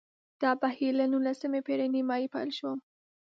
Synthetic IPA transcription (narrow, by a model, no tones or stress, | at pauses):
d̪̥ɑbahilanunlasəmepeɾanimɑipa̰lʃəwəm